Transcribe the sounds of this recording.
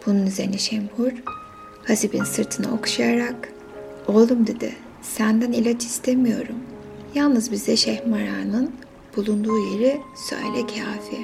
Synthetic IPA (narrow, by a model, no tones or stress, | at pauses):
b̥ununyzeɾniʃɛmhuɾ̥ | hasibinsɯɾt̪ʰɯna̰o̞̰ku̥ʃajaɾak | o̞lˠumd̪ed̪ɪ̰ | sænd̪ænilʲat͡ʃʰi̥st̪ʰemijo̞̰ɾum | jalˠnɯzbizd̪ɛʃɛhmaɾaːnɯn | b̥ulˠund̪uːje̞ɾisø̰jlʲɛcʰaːfiɾ